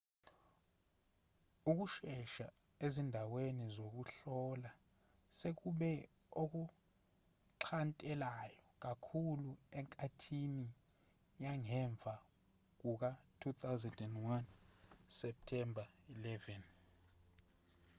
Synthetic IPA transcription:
uk̬uʃɛʃa | ezindʱawenizok̬uɬɔla | sek̬uɓɛ | ok̬u | ǁʰantʼɛlajɔk̬akʰuluɛŋkʼatʰini | jaŋɛɱb̪vʱa | k̬uk̬atʰutʰawzɛndɛndwansɛp̚tʰɛmbʱailɛvɛn

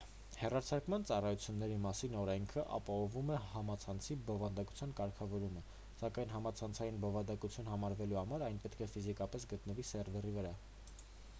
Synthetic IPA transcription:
hɛrɑɾt͡sʰɑɾkmɑnt͡sɑrɑjut͡sʰjunːɛɾimɑsinɔɾɛŋkʰəʔɑ̰pɑhɔvumɛhɑmɑt͡sʰɑnt͡sʰibɔvɑnd̪ɑku̥t͡sʰjɑnkɑɾkʰɑvɔɾumə | sɑkɑjnɦɑmɑt͡sʰɑnt͡sʰɑjinbɔvɑnd̪ɑkut͡sʰjunhɑmɑɾvɛluhɑmɑɾɑjnpɛt̪kʰɛfizikɑpɛs̬ɡət̪nəvisɛrvɛrivəɾɑ

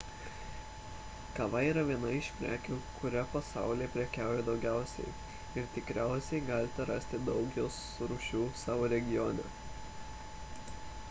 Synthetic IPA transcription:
kɐʋɐiːɾɐʋʲiɛnɐɪʃʲpʲɾʲæ̰ːkʲuːkʰʊɾʲɛpɐsɑ̰ˑʊlʲiɛpʲɾʲɛkʲæːˑʊjɛd̪ɒʊɡʲæˑʊsʲɛ̰ɪ | ɪɾt̪ʲɪkɾʲæˑʊsʲɛɪɡɑːlʲɪt̪ʲɛɾɑsʲt̪ʲɪd̪ɒʊkjoːs | ɾuːʃʲuːsɑːʋoːɾʲɛɡʲɪjoːnʲɛ̰

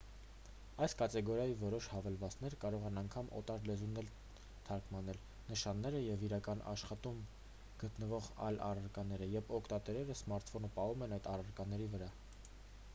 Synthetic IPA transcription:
ɑjskɑt̪ɛɡɔɾjɑjivɔɾɔʃhɑvɛlvɑt͡snɛɾkɑɾɔʁɛnɑŋkʰɑmɔ̰t̪ɑɾlɛzunːɛl | t̪ʰɑɾkmɑnɛl | nəʃɑnːɛɾəjɛviɾɑkɑnʔɑ̰ʃχɑt̪um | ɡ̥ət̪nəvɔʁɑ̰jlɑ̰rɑɾkɑnɛɾəjɛvɔkʰt̪ɑt̪ɛɾɛɾəsmɑɾt̪fɔnəpɑhumɛnɑjt̪ɑrɑɾkɑnɛɾivəɾɑ

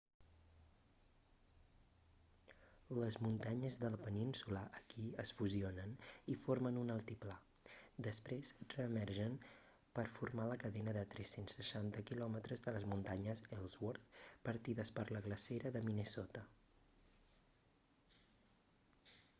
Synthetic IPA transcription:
ləzmunt̪aɲəzðələpəninsuləʔəkiəsfuzionənifoɾmənunəlˠt̪ipla | d̪əspɾesrəːmɛɾʒən | pəɾfuɾmaləkəðɛnəðət̪ɾɛsensːəʃant̪əkilɔmət̪ɾəzðələzmunt̪aɲəzɛlˠzwɔɾt̪pəɾt̪iðəspəɾləɣləseɾəðəminəsɔt̪ə

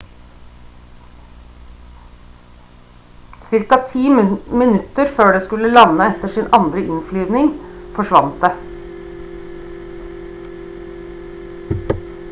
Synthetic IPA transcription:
sɪɾkɑt̪ʰiːmmɪnʉt̪əɾføːɖeːskʉləlɑnəɛt̪əʂɪːnʔɑnd̪ɾəʔɪnflyːʋnɪŋfɔʂʋɑnt̪̚d̪eː

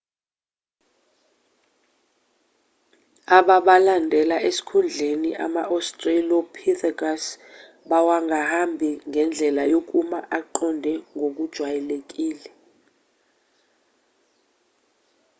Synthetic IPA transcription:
aɓaɓalandʱɛlaʔesi̥kʰund͡ɮʱeniʔa̰maʔɔstʼrelɔpʰiθakas | ɓawaŋɡʱahambʱiŋʱɛnd͡ɮʱɛlajok̬ʼumaʔaǃɔndʱɛŋʱok̬ud̥ʒ̥ʱwajɛlek̬ʼiːlɛ

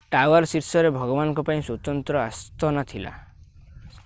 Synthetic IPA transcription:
ʈawaɾsiɾsɔɾebʱɔɡɔbanɔ̃ŋkɔpaĩswut̪ɔnt̪ɾɔast̪ɔnat̪ʰila̰

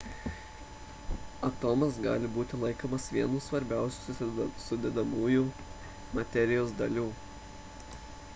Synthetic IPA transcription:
ɐt̪oːmɐsɡɑ̰ːlʲɪbuːt̪ʲɪlˠɐɪkoːmɐsʋʲiɛnuːsʋɐɾʲbʲæˑʊsʲuːssʊd̪ʲɛd̪ɐmuːjuː | mɐt̪ʲɛɾʲɪjoːsd̪ɐlʲuː

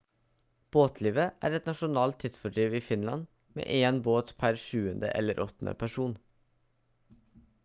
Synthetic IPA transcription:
b̥oːt̪ʰliːʋəʔæ̰ːɾɛt̪nɑʃʊnɑːlt̪ʰːɪt̪sfɔɖɾiːʋiːfɪnlɑ̰n | mḛːʔeːnboːt̪pʰæɾʃʉːənd̪ə̰ʔɛ̰ləɾʔɔt̪nə̰pʰæʃuːn

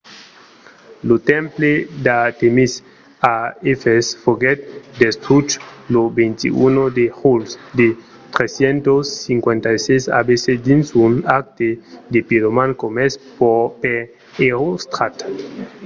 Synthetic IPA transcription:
lot̪empled̪at̪emis | aefesfoɡet̪̚d̪est̪ɾut͡ʃlobent̪ḭʔṵnod̪eʁulsd̪e | t̪ɾesjent̪osːiŋkwent̪ajsesa̰besed̪insunak̚t̪ed̪epiɾomãnkomespope | eɾost̪ɾat̪

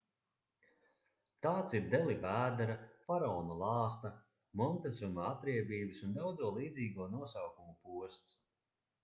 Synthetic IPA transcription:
t̪aːt̪siɾd̪ɛlˠibæːd̪ɛɾafaɾɔːnulˠɑːst̪ɐ | mɔnt̪ɛzumaat̪ɾiɛbiːbɨsund̪awd̪zuɔlˠiːd̪ziːɡuɔnuɔsawkumupuɔst̪s

